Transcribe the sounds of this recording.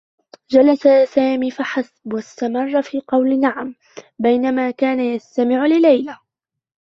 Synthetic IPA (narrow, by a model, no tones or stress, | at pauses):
d͡ʒalasasaːmiːfaħasbwast̪amɑrˤːɑfiːqɑwlɪnaʕam | bajnamaːkaːnajast̪amɪʕʊlɪlajla